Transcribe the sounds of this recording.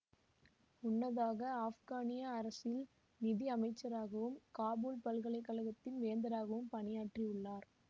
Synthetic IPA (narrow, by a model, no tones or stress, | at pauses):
ʊnːɐðaːɣɐaːfɣaːnɪjaːɾɐsɪl | nɪðiɐmɐɪt͡ʃːɐɾaːɣɐʋɯmkaːbuːlpɐlɣɐɭɐɪkːɐlɐɣɐt̪ːɪnʋeːnd̪ɐɾaːɣɐʋɯmpɐɳɪjaːʈriʊɭːaːɾ